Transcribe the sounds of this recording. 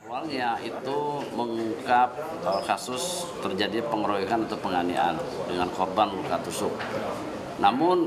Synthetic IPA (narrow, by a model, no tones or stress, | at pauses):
awalɲaʔit̪uməŋukap̚ | əkasʊs | t̪ərd͡ʒadipəŋəɾoikanat̪awpəŋanḭʔa̰ndəŋankɔrbanlukat̪usʊk̚ | namʊn